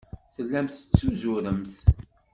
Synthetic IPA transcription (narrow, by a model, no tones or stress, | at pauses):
θəlːæmθət͡sːuzʊɾəmθ